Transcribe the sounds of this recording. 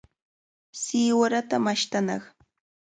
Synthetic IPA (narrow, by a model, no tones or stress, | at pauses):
sɪwaɾat̪amaʃt̪anɑχ